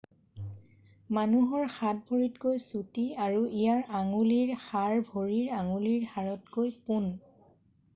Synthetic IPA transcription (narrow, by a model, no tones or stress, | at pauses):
manuɦɔɹxat̚bʱoɹitkojsutiaɹuijaɹaŋuliɹxaɹbʱoɹiɹaŋuliɹxaɹɔtkojpun